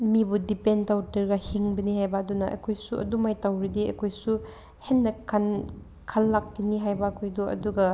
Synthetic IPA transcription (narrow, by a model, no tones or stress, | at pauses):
mibudipentawtɐɾɡɐhiŋbɐnihajbɐːdunɐʔɐ̰kʰojsuʔɐ̰dumajtawɾidiɐ̰kʰojsu | henːɐkʰɐn | kʰɐlːak̚tiniɦajbɐːkʰojduʔɐ̰duɡɐ